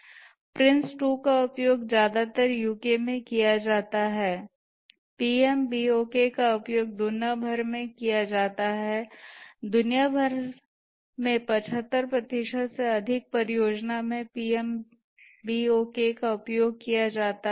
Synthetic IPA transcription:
pɾɪ̃nsʈuːkaʊpjoːɡd͡ʒjaːd̪at̪əɾjuːkemẽkijad͡ʒaːt̪aɦɛː | piːɛmbiːoːkekaʊpjoːɡ̚d̪ʊnjabʱəɾmẽkijad͡ʒaːt̪aɦɛ | d̪ʊnijabʱəɾ | mẽpɐt͡ʃʰɦət̪ːəɾpɾɐt̪ɪʃəd̪seɐd̪ʱɪk̚pɐɾɪjoːd͡ʒnamẽpiːɛm | biːoːkekaʊpjoːɡ̚kijad͡ʒaːt̪a

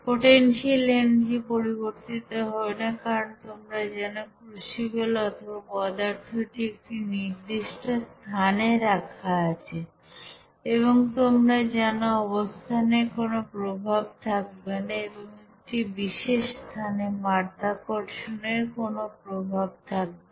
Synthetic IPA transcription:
poʈenʃilend͡ʑipoɾiboɾt̪it̪oɦɔenakaɾont̪omɾad͡ʑɛnokɾuʃibelɔt̪ʰobɔd̪aɾt̪ʰoʈiek̚ʈiniɾd̪iʃʈost̪ʰaneɾakʰaat͡ɕʰe | eβoŋt̪omɾad͡ʑɛnoɔβost̪ʰaneɾkonopɾobʱab̚t̪ʰak̚benaeboŋek̚ʈibiʃeʃst̪ʰanemaɾd̪ʱakoɾʃoneɾkonopɾobʱab̚t̪ʰak̚be

